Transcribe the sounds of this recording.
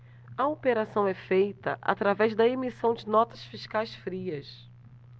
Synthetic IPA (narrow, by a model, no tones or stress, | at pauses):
ɐopeɾasɐ̃w̃ɛfejt̪ɐ̰ʔa̰t̪ɾavɛzd̪ɐemisɐ̃w̃d͡ʒɪnɔt̪ɐsfiʃkajsfɾiɐs